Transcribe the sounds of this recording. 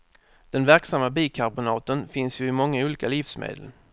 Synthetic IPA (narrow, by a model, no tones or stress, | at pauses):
d̪̥ɛnvæɾksamːabiːkʰaɾbʊnɑːt̪ənfɪnsjɵɪmɔŋːauːliːkalɪfsmḛːd̪ə̰l